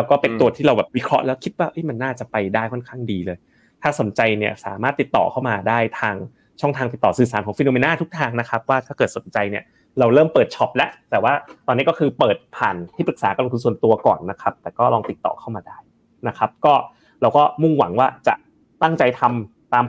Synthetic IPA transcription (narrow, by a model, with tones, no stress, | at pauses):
ɾɛː˦˥wkɔː˥˩pe˧t̪u˨˩ət̪ʰiː˥ɾa˧wbɛː˨˩p̚wi˦˥kʰɾɔ˦˥ʔlɛː˦˥wkʰi˦˥t̪̚waː˥˩ʔɤ˦˥jma˧nːaː˥˩t͡ɕa˨˩pa˧jdaː˥˩jkʰɔ˥˩nkʰaː˥˩ŋdiː˧lɤː˧j | t̪ʰaː˥˩so˩˦nt͡ɕa˧jni˥˩ɐsa̰ː˩˦maː˥˩t̪ːi˨˩t̪ːɔ̰ː˨˩kʰa˥˩wmaː˧daː˥˩jt̪ʰaː˧ŋ | t͡ɕʰɔ˥˩ŋt̪ʰaː˧ŋt̪i˨˩t̪ːɔː˨˩sɯː˨˩saː˩˦nkɔː˩˦ŋfi˧noː˧meː˧naː˥˩t̪ʰu˦˥k̚t̪ʰaː˧ŋna˦˥kʰa˦˥p̚waː˥˩t̪ʰaː˥˩kɤː˨˩t̪so˩˦nt͡ɕa˧jni˥˩ɐ | ɾa˧wɾɤː˥˩mpɤː˨˩t̪̚t͡ɕʰɔ˦˥p̚lɛ˦˥ʔt̪ɛː˨˩waː˥˩t̪ɔː˧nːi˦˥kɔ˥˩kʰɯː˧pɤː˨˩t̪̚pʰaː˨˩nt̪ʰiː˥˩pɾɯ˨˩k̚saː˩˦ka˧lo˧ŋt̪u˧nsu˨˩ənt̪u˧ɐkɔ̰ː˨˩nːa˦˥kʰa˦˥p̚t̪ɛː˨˩kɔː˥˩lɔː˧ŋt̪i˨˩t̪ːɔ̰ː˨˩kʰa˥˩wmaː˧daː˥˩j | na˦˥kʰa˦˥p̚kɔː˥˩ | ɾa˧wkɔː˥˩mu˥˩ŋwa̰˩˦ŋwaː˥˩t͡ɕa̰˨˩ʔ | t̪a˥˩ŋt͡ɕa˧jt̪ʰa˧m | t̪aː˧m